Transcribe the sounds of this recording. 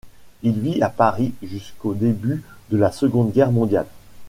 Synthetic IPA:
ilviapaʁiʒyskod̪ebyd̪əlasəɡɔ̃d̪ɡʲɛʁmɔ̃d̪ja̰l

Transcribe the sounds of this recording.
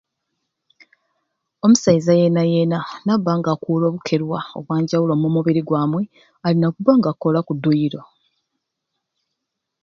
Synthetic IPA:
o̞musajizaje̞naje̞nanaβːaːŋɡaːkuːlo̞ːβukʰe̞ɾwao̞̰βwaːɲɟawulomomuβiɾiɡwaːmwe̞ | alinakuβaŋɡako̞lakudːujiɾo̞

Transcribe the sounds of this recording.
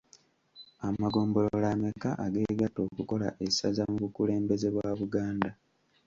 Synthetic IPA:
amaɡo̞ːmbo̞lolame̞kaʔaɡe̞ɡato̞ːkuko̞la̰ʔesazamuβukule̞ːmbe̞ze̞βwaːβuɡaːnda

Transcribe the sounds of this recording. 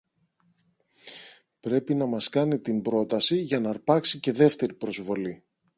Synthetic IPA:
pɾe̞pinɐmɐskɐnit̪imbɾo̞t̪ɐsiʝɐnɐɾpɐksice̞ðe̞ft̪e̞ɾipɾo̞zvo̞li

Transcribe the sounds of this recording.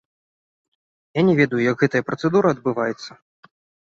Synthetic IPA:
janʲɛvʲɛd̪ɐjujɐɡɣɛt̪ɐjɐpɾɐt̪sɛd̪uɾɐːd̪̚bɨvajɛt̪sːɐ̥

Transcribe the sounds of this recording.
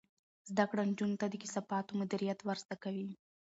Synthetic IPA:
zd̪akɽand͡ʒunot̪ad̪əki̥sapɑt̪omʊd̪iɾijat̪waɾzt̪akawi

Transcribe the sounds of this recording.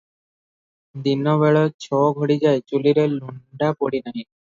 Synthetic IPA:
d̪inːɔβeɭɔt͡ɕʰɔɡʱoɽid͡ʑaet͡ɕuliɾeluɳɖapoɽinaɦĩ

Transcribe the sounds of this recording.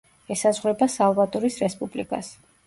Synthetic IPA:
ɛsazʁɾɛbasalˠvat̪ʼɔɾisɾɛspʼublḭkʼa̰s

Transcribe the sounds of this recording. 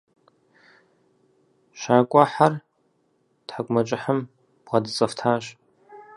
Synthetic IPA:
ʃaːkʷʼaħar | tħakʷʼmɐt͡ʃʼɪħəm | b̥ʁɐdɨt͡sʼɐftʰaːʒ

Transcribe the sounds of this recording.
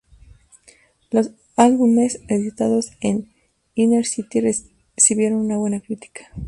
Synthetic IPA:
lo̞s | alβume̞seðit̪aðo̞sen | ineɾsit̪ire | siβje̞ɾo̞nunaβwe̞nakɾit̪i̥kʰḁ

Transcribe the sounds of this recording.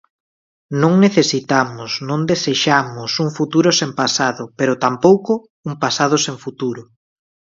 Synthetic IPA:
nõŋneθesit̪amʊsnõŋd̪eseʃamʊsuŋfut̪uɾʊsempasaðʊpeɾʊt̪ampowkʊ | uŋpasað̞ʊseŋfut̪uɾʊ

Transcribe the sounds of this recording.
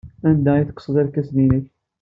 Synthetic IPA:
ænd̪æjiθə̥qːsˤəd̪ˤælkːæsninəç

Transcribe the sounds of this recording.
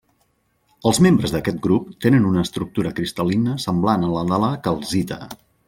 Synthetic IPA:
əlˠzmembɾəzðəkɛt̪̚ɡɾup̚t̪enənunəːst̪ɾuk̚t̪uɾəkɾist̪əlinəsəmblanələðaləkəlˠzit̪ə̰

